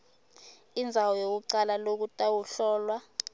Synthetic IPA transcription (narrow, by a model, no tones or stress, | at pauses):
ind͡zʱawɔjok̬uǀalalok̬utʼawuɬɔːlwa